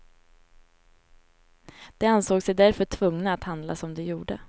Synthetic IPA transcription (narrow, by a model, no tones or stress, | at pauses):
d̪̥ɛansoːɡsɛjd̪æɾfœʈʰvɵŋnaːt̪hand̪lasɔmd̪ɛjuːɖə̰